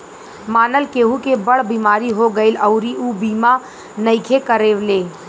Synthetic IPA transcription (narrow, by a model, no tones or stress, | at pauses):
maːnəlkeːɦukebɐɽ̤biːmaːɾiɦoɡəɪlɐʊɾiʔuːbiːma | nɐɪkʰekəɾeːʋleː